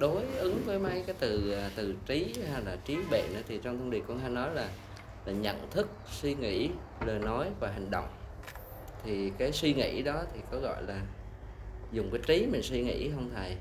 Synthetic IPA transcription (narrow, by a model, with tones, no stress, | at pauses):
ɗo˨˦jʔɨ˨˦ŋvəː˨˦jma˨˧˦jkaː˨˦jt̪ɨ˨˩a˨˩t̪ɨ˨˩t͡ɕi˨˦ha˧jlaː˨˩t͡ɕi˨˦ɓḛ˧˨nʔə̰ː˧˥t̪ʰi˨˩t͡ɕɔ˧ŋ͡mt̪ʰə˧nɗi˨˩ət̚kɔ˧nɦaː˧jnɔ˨˦jlaː˨˩ | laː˨˩ɲə̰˧˨nt̪ʰɨ˦˥k̚swi˧ŋḭ˧˥ | ləː˨˩nɔ˨˦jvaː˨˩ɦi˨˩ŋ̟ɗo̰˧˨wŋ͡m | t̪ʰi˨˩kaː˨˦jswi˧ŋḭ˧˩˥ɗɔ˨˦t̪ʰi˨˩kɔ˨˦ɣɔ̰˧˨jlaː˨˩ | zʊ˨˩ŋ͡mkaː˨˦jt͡ɕi˨˦mi˨˩ŋ̟swi˧ŋḭ˧˥hʰə˧wŋ͡mt̪ʰaː˨˩j